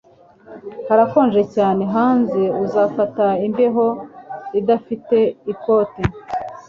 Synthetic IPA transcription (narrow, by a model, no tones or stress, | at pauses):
haɾako̞ːnʒe̞caːne̞ɦaːnzeuzaːfataimbe̞ɦo̞idafite̞ipo̞te